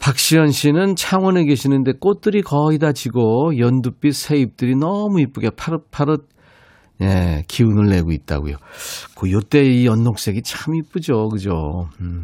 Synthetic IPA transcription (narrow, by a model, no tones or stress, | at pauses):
pak̚ɕ͈iʌnɕʰinɯnt͡ɕʰaŋwʌnekeɕʰinɯnde̞k͈ot̚t͈ɯɾikʌidad͡ʑiɡojʌndup͈isʰe̞ip̚t͈ɯɾinʌmuip͈ɯɡepʰaɾɯpʰaɾɯt̚ | nḛkiunɯɭːe̞ɡoit̚t͈a̰ɡo̰jo̰kojot͈e̞iʌnːok̚s͈e̞ɡit͡ɕʰamip͈ɯd͡ʑokɯd͡ʑo̰